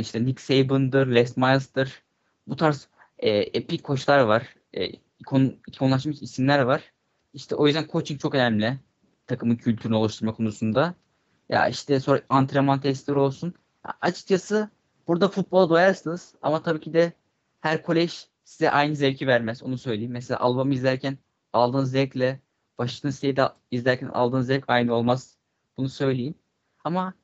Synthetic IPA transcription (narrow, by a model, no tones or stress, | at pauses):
iʃt̪ɛniksejbɯnd̪ɯɾlʲɛst̪majlˠsd̪ɯɾ̥ | but̪ʰaɾs | ɛːepickʰːo̞ʃlˠaɾvaɾ̥ | ɛ̰ː | ikʰonikʰolˠaʃ̬mɯʃisinlʲæɾvaɾ̥ | iʃt̪ʰɛʔo̞jyzd̪ænkʰo̞t͡ʃʰit͡ʃʰo̞kø̞næmlʲɪ | t̪ʰakʰɯmɯncʰylʲt̪ʰyɾynio̞lˠuʃt̪ʰuɾmakʰo̞nusund̪a | ja̰iʃt̪ʰɛsoɾaant̪ʰɾemant̪ʰɛsʲiɾo̞lˠsun | a̰at͡ʃʰɯ̥k̚t͡ʃʰasɯ | b̥uɾd̪afut̪̚bo̞lˠad̪ojaɾsɯnɯz̥a̰mat̪ʰabiːcʰid̪ɛ | hæɾkʰo̞lʲɛʒ̥ | sizɛ̰ʔajnɯzɛɾʲcʰivæɾmæzo̰nusø̞jlʲeimːɛs̬elʲa̰ːʔalˠbamɯizlʲæɾcʰæn | alˠd̪ɯːnɯzɛɾclʲɛ | b̥aʃlɯnsit̪ʲejid̪ | izlʲæɾcʰænʔa̰lˠd̪ɯːnɯzɛɾcajnɯo̞lˠmaz̥ | b̥unusø̞jlʲejim | ama